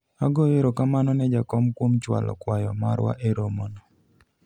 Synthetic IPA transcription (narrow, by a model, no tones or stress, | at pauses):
aɡojeɾɔkamanɔnɛd͡ʒakɔmkwomt͡ʃwa̰lʔɔ̰kwajɔmaɾwa̰ʔeɾomonɔ